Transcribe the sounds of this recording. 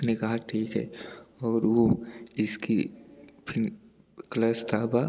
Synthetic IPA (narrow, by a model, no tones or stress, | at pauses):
nekaɦaʈʰiːkɦɛ̰ːɔːɾʋoɪskipʰɪn | klaːst̪aːba